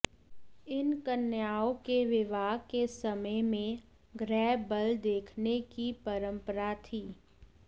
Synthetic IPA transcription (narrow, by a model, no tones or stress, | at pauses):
ɪnkənjaːokeʋɪʋaːɡkesəməjmẽ | ɡɾɛːbəld̪eːkʰnekipəɾə̃mpəɾat̪ʰiː